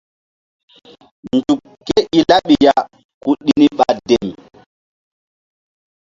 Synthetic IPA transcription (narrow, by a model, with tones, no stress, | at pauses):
ndu˨kːe˦ʔi˦la˦ɓi˨ja | ku˨ɗːini˦ɓa˨de˨m